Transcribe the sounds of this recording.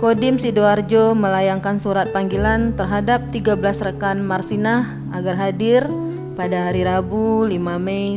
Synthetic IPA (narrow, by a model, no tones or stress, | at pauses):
kodɪmsidoard͡ʒoməlajaŋkansuɾat̪̚paŋɡilant̪ərɦadap̚t̪iɡabəlasrəkanmarsinah | aɡarɦadɪr | padaɦaɾiɾabulimame